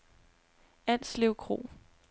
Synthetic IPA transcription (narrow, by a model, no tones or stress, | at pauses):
æn̰sleʊkʰʁo̝̰ː